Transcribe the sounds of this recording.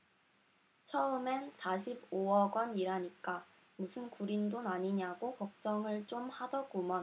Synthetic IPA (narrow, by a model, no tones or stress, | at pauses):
t͡ɕʰʌɯmensʰaɕʰiboʌɡwʌniɾaɲik͈a | musʰɯnkuɾindonaɲiɲaɡokʌk̚t͡ɕ͈ʌŋɯɭt͡ɕ͈omhadʌkumʌ